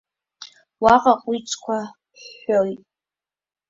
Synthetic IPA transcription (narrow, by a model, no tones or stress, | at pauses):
waqʼaqʷʼit͡ʃʰʼkʷʰa | ħoitʼ